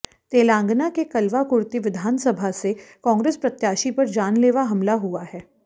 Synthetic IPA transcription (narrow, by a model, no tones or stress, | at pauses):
t̪eːlãːŋɡnakekɐlʋakʊɾt̪iʋɪd̪ʱaːnsɐbʱasekɔ̃ːŋɡɾeːspɾɐt̪jaːʃipɐɾd͡ʒaːnleːʋaɦɐmlaɦuahɛː